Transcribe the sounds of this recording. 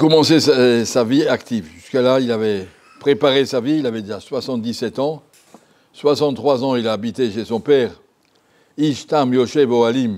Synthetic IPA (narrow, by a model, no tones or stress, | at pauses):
kɔmɑ̃sessaviakt̪ʰivʒyskəlailavɛ | pχepaʁesaviilavɛd̪eʒaswasɑ̃t̪̚d̪isɛt̪ɑ̃ | swasɑ̃t̪t̪ːχwazɑ̃ilaːbit̪eʃesɔ̃pɛʁ | iʃt̪amjoʃɛboalim